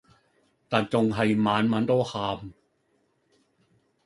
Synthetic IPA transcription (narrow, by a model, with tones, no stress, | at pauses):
t̪aː˨˩nt͡ɕo˧ŋɦa˨˧˩jmaː˨˥nmaː˨˥nt̪oː˥˩xaː˧m